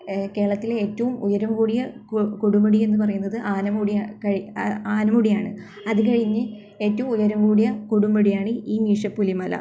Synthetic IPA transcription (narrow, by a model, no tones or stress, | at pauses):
ke̞ːɾɐɭɐt̪ːileːtːɐʋumujɐɾɐmkuːɽijɐkkuɽumɐɽie̞nːɨp̬ɐrɐjunːɐðɨʔaːnɐmuɽiakɐɻiaːnɐmuɽijaːɳɨ | ɐðɨkɐɻiɲːɨ | e̞ːtːɐʋumujɐɾɐmkuːɽijɐkuɽumbɐɽijaːɳɨiːŋiːʂɐpːulimɐlɐ̰